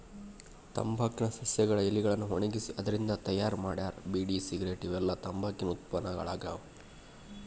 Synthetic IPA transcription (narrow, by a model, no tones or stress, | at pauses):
t̪ɐ̰mbʱaːkinɐsɐsjɐɡɐɭɐeliɡɐɭɐnːuɦoɳiɡisiʔɐd̪ɐɾind̪ɐt̪ɐjaːɾmaːɽjaːɾbiːɖiːsiɡɾeːʈiʋɛlːɐt̪ɐmbʱaːkinɐut̪̚pɐnːɐɡɐ̰ɭaːɡaː